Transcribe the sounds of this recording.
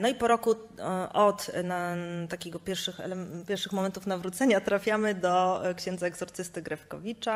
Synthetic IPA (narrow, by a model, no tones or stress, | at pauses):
nɔipɔɾɔku | ɔt̪nat̪akʲeɡɔpʲjɛɾfʂɘxɛ̰lɛpʲjɛɾfʂɘxmɔmɛnt̪ufnavɾut̪sɛɲat̪ɾafʲjamɘd̪ɔkɕɛ̃nd̪zaɛɡzɔɾt̪sɘst̪ɘɡɾɛfkɔ̰vʲit͡ʂa